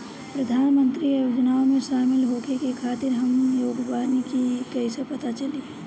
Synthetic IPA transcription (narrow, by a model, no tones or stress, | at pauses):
pɾəd̪ʱaːnmə̃nt̪ɾijoːd͡ʒnaomẽʃaːmɪlɦoːkekekʰaːt̪ɪɾɦəmjoːɡʋaːnikikəɪsepət̪at͡ʃəli